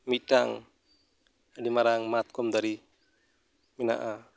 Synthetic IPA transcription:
miɖaŋ | adimaɾaŋmat̪̚kɔmd̪aɾi | mina̰ʔa

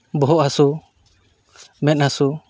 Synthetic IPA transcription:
bɔɦɔʔhasu | mɛt̪̚hasu

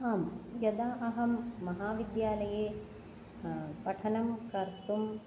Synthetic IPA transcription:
aːmjɐd̪aːʔɐɦɐmːɐɦaːʋid̪jaːlɐjeː | pɐʈʰɐɳɐmkɐɾt̪um

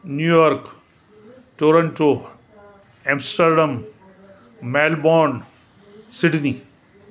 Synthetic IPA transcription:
njujɔːɾk | ʈoːɾɐ̃ɳʈo | ɛ̃msʈəɾɖɐm | meːlbɔːn | sɪɖni

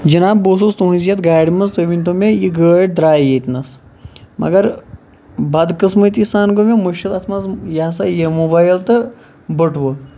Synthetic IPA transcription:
d͡ʒinaːbboːsust̪oɦũzjɐt̪ɡaːɽʲimɐzt̪oʋʲint̪omejiɡəːʈ̚d̪ɾaːjjet̪ʲnɐsmʔɐ̰ɡɐɾ | bɐd̪kɨsmət̪isaːnɡomemuʃɐt̪ɐt̪ʰmazjas̬ajemobaːjlt̪ɨ | bəʈʋo

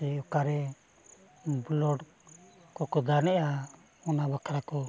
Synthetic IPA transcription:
ɛɔkaɾɛ | blɔɽ | kɔkɔd̪anɛʔa | ɔnabakʰɾakɔ

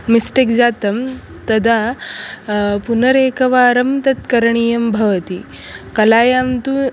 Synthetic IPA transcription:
misʈekd͡zaːt̪ɐm | t̪ɐd̪ʱa | punəɾekɐʋaːɾɐmt̪ɐt̪kɐɾɳ̃iːjɐmbʱɐʋt̪i | kɐlaːjaːmt̪u

